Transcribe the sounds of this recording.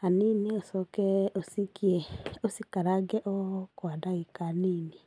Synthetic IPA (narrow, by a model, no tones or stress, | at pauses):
haniːniosɔkɛosikiɛosikaɾaɡɛʔokwadaɣikaniːni